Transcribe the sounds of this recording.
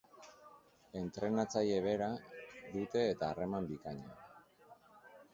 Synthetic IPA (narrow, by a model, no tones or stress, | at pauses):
e̞nt̪ɾe̞nat͡saje̞β̞e̞ɾaðut̪e̞ːt̪aːre̞mambikaɲa